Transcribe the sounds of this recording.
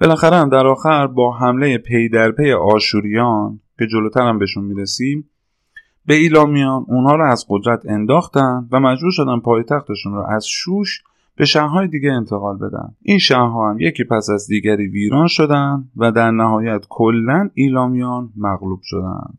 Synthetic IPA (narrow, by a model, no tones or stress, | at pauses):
b̥e̞læxæɾeæmd̪æɾɒːxæɾbɒːɦæmle̞je̞pʰe̞jd̪æɾpeje̞ʔɒːʃuːɾijɒncʰe̞d͡ʒo̞lot̪ʰæɾæmbeʃunmiːɾesiːm | be̞iːlɒːmijɒːnunhɒːɾɒːæzɢo̞d̪ɾæt̪ʰe̞nd̪ɒːxt̪ænd̪væmæd͡ʒbuːɾʃo̞d̪æn̚pʰɒːjet̪ʰæxt̪e̞ʃunɾɔ̰ʔæz̥ʃuːʃ | b̥e̞ʃæhɦɒːjed̪iːɟeent̪ʰe̞ɣɒːlbe̞̰d̪æ̰nd̪ʔinʃæhɦɒːhæmje̞cʰiːpʰæsæzd̪iːɟæɾiːviːɾɒːnʃo̞d̪ænd̪væd̪æɾnæhɒːjæt̪kʰolːæniːlɒːmijɒːnmæɣluːb̥ʃo̞d̪æ̰nd̪̥